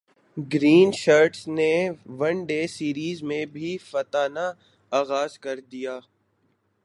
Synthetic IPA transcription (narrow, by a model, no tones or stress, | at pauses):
ɡɾiːnʃaːɾʈsneʋɐ̃nɖeːsiːɾiːzmẽbʱifɐt̪aːna | aːɣaːzkɐɾd̪ijaː